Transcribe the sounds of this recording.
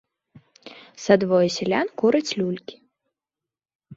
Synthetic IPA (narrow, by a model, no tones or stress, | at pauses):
sad̪vɔjɛsʲɛlʲankuɾɐt͡sʲlʲulʲkʲi̥